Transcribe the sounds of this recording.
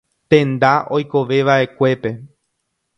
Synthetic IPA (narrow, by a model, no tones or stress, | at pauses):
t̪ẽ̞nd̪aʔo̞jko̞ʋe̞ʋaʔe̞kʷe̞pe̞